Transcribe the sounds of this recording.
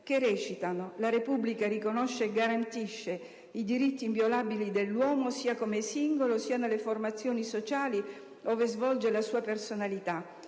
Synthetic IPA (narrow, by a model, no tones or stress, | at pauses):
kerɛːt͡ʃit̪anolaɾepublikaɾikonoʃːeːɡːaɾant̪iʃːe | id̪iɾit̪ːiːɱvjolaːbilid̪elːwɔːmosiːakomesiŋɡolosiːanelːeformat̪sːjoːnisot͡ʃaːli | oːvezvɔld͡ʒelasuːapersonalit̪a